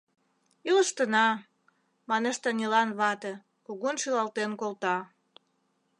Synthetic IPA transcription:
iləʃt̪ənɑ | mɑneʃt̪ɑnʲilɑnβɑt̪ĕ | koɣonʃylɑlt̪enkolt̪ɑ

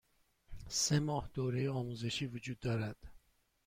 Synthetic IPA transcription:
semɒːhd̪̥oɾejɒːmuːze̞ʃiːvud͡ʒud̪ːɒːɾæd̪̥

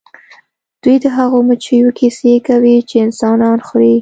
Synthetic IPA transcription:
d̪̥ujd̪əɦaɣomʊt͡ʃəjokʰisekawit͡ʃeɪnsɑnɑnxɾi

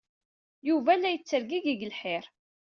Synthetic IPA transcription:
juvælːæjt͡sːəɾɡiɡiɡlħɪɾ

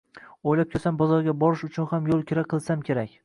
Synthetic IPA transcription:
ojlap̚kʲʰesambɒzɒɾɡʲabɒɾɪʃʊt͡ʃʰʊnhamjolˠkʲʰɪɾaqʰɨlˠsamkʲʰe̞ɾakʲ

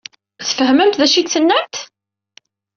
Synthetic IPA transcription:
θəfəhməmt̪ðæʃidθənːæmt̪

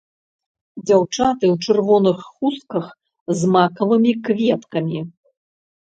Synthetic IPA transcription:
d͡zʲawt͡ʂat̪ɨwt͡ʂɨrvɔnɨxːuskɐx | zmakɐvɨmʲikvʲɛt̪kɐmʲi

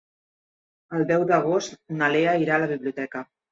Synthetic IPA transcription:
əlˠd̪ɛwd̪əɣ̞ost̪naleəiɾaːləβiβliut̪ɛkə

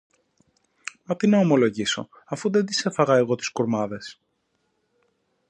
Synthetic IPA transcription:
mɐt̪inɐomo̞lo̞ʝiso̞̰ | ɐfuðed̪ise̞fɐɣɐe̞ɣo̞t̪i̥skuɾmɐðe̞s

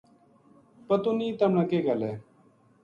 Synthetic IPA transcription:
pət̪uniːt̪əmɳakeːɡaleː

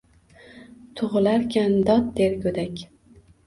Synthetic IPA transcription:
t̪ʰʊʁɨlaɾkʲʰand̪ɒt̪̚d̪eɾkʲʰɵd̪akʲ

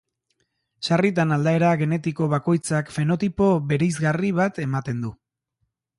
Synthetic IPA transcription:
sarit̪̬anald̪ae̞ɾaɣe̞ne̞t̪iko̞βako̞jt͡sakfe̞no̞t̪ipo̞βe̞ɾejzɣariβ̞at̪e̞mat̪e̞nd̪u

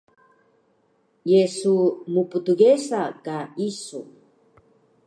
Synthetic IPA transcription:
jesumuput̪uɡesakaisṵ

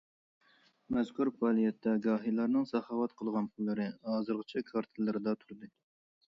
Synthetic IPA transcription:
mɛz̥kʰuɾpɑːlˠijɛt̪ʰːɛɡɑːɦilˠɑɾnɨŋsɑχɑːwɑt̪qʰəlˠʁɑnpʰulːɨɾɨhɑːzɨɾʁət͡ʃʰɛkʰɑɾt̪ʰɨlːɨɾɨd̪ɑt̪ʰuɾd̪ɨ

